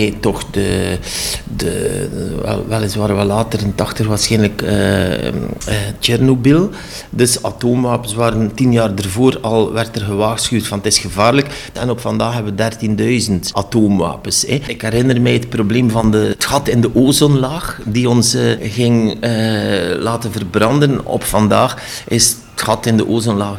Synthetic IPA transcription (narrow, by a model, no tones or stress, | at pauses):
tɔxdə | də̰ | ɛ̰lʋɛlˠəsʋaːɾəʋɛlːaːtərəntɑxtəxʋaːrsxɛjnləkə̰ | əɛrnobilˠ | dɵsa̰toːmʋaːpəsʋaːɾəntinjaːrdərvoːɾɑlˠʋɛrtərɣəʋaːsxywtfɑnətɪsxəvaːrlək | ɛnɔpfɑndaːxɦɛbʋədɛrtindœɥzəntʔatoːmʋa̰ːpəsɛɪkɛɾɪnərmɛjət̚probleːmvɑndəətxɑtɪndəʔoːzɔnlaːxdiɔnsɣɪŋəlaːtənvərbrɑndənɔ̰pfɑndaːx | ɪsətxɑtɪndəʔoːzənlaːx